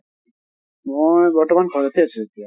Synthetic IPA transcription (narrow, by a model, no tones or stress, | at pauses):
mojbɔɹtɔmankʰɔat̪easuet̪ia